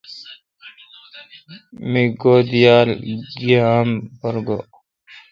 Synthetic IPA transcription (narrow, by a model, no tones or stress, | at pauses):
miɡod̪ijaːlɡiaːmbɔɾɡo